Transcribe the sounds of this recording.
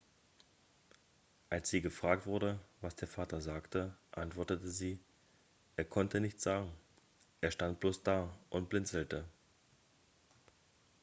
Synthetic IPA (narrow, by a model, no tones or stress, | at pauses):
ʔalsz̥iːɡəfʁ̥aːk̚tv̥ʊɐɾəvasd̥eːɐfaːtɐzaːktəʔantv̥ɔɐtətəziː | ʔeːɐkʰɔntənɪçtt͡sz̥aːɡŋ̩ | ʔeːɐʃtant̚b̥loːsd̥aːʔʊntb̥lɪnt͡sl̩tə